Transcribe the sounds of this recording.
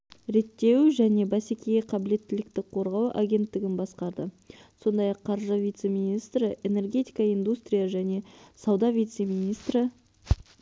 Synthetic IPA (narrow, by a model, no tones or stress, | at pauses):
ɾe̞t̪ːe̞wʒæne̞bæsekʲejeqʰɑbɪle̞t̪ːɪlɪkt̪ɪk̚qʰo̞ɾʁɑwʔa̰ɡʲe̞nt̪ːɪɡʲɪnbɑsqɑɾd̪ə | so̞nd̪ɑjɑqʰːɑɾʒəvijt̪se̞mʲijnʲijst̪ɾəʔe̞ne̞rɡʲe̞t̪ijkɑijnd̪ust̪ɾʲijɑʒæne̞sɑwd̪ɑvʲijt̪se̞mijnijst̪ɾə